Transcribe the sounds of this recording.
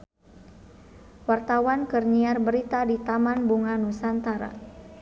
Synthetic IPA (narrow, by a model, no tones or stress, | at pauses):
wart̪awankərɲiarbəɾit̪adit̪amanbuŋanusant̪aɾa̰